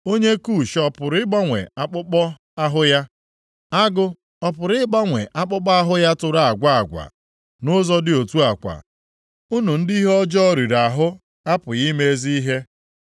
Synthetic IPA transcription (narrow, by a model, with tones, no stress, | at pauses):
o˦ɲe˦ku˦˨ʃɔ˦pʊ˨ɾɪ˦ɡ͡ba˦ŋʷḛ˨a˦k͡pʊ˦k͡pɔ˦ | a˦ɦʊ˦ja˦ | a˦ɡʊ˦ | ɔ˦pʊ˨ɾɪ˦ɡ͡ba˦ŋʷḛ˨ʔa˦k͡pʊ˦k͡pɔ˦a˦ɦʊ˦ja˦tʊ˨ɾa˦a˨ɡʷa˦a˨ɡʷa̰˨ | nʊ˦zɔ˦dɪ˦o˨tu˦a˨kʷa̰˨ | u˦nu˨n̩˦di˦ɦɔ˦d͡ʒɔ˦ɾi˨ɾa˨ɦʊ˦ | a˦pʊ˨ji˦me˦e˦zi˦i˦ɦe˦